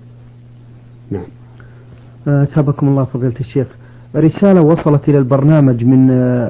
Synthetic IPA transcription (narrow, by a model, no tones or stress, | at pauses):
naʕam | ʔaθhabakʊmʊlˤːɑːfɑðˤɨːlt̪aʃːeːx | ɪrːɪsaːlawɑsˤɑlɑt̪ʔɪlalbɑɾˤnaːmad͡ʒmɪn